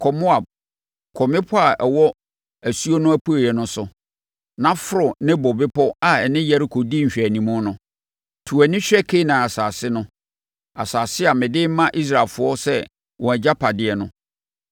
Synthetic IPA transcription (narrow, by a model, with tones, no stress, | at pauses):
kʰɔ˨mʊ˦a˨b̚ | kʰɔ˨mɪ̃˦pʰɔ˦a˨ʔɛ˨wɔ˦ | æ˨su˦o˦nʊ̃˦æ˦pʰu˦˨jɛ˨nʊ̃˦sʊ˨ | nã˦fʊ˦ɾʊ˨nɪ̃˦bɔ˨bɪ˦pʰɔ˦a˨ɛ˨nɪ̃˦jɛ˦ɾɪ˦kʰo˨di˦ɲ̩˨ɕᶣæ˨nĩ˨mʊ̃˦nʊ̃˨˦ | tʰu˨æ˨nɪ̃˦ɕᶣɛ˦kʰe˦nã˨a˨saː˨sɪ˦nʊ̃˦ | a̰˨saː˨sɪ˦a˨mɪ̃˨dɪ˦m˦mã˦ʔi˦s̬ɾa˨lfʊ˦ɔ˦sɛ˦ | wɔ̃˨æ˨d͡ʑa˦pʰa˨dɪ˦ɛ˨nʊ̃˦